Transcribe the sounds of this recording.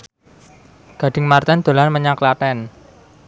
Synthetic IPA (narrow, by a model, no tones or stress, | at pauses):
ɡ̥a̤ɖ̥ɪ̤ŋmart̪ɛnd̪̥o̤lanməɲaklaʈ̪ɛn